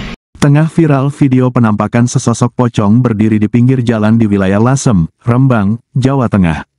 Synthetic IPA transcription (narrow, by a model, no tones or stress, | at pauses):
t̪əŋahfiɾalfideopənampakansəsɔsɔk̚pɔt͡ʃɔŋbərdiɾidipiŋɡɪrd͡ʒalandiwilajahlasəmrəmbaŋd͡ʒawat̪əŋa̰h